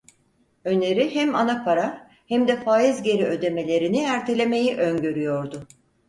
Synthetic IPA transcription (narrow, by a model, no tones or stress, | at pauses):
ø̞ne̞ɾihæmanapʰaɾa | hæmd̪ɛfaːjizɟe̞ɾiø̞d̪e̞me̞lʲe̞ɾiniæɾt̪ʰe̞lʲe̞me̞jiʔønɟø̞ɾyjo̞ɾd̪ʊ